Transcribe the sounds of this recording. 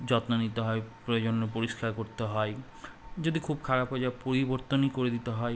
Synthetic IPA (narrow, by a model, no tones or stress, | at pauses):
d͡ʑɔt̪nanit̪eɦɔepɾod͡ʑonːopoɾiʃkaɾkoɾt̪eɦɔe | d͡ʑod̪ikʰubkʰaɾapɦod͡ʑapoɾiboɾt̪onikoɾed̪it̪eɦɔe